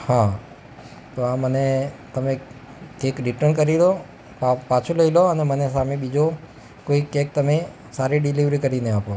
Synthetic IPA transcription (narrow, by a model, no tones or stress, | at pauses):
hã | t̪oamənet̪əme | kekɾiʈəɾnkəɾilo | apat͡ʃʰuləiloənemənesameɓid͡ʒo | koikːek̚t̪əme | saɾiɖiliʋɾikəɾineapo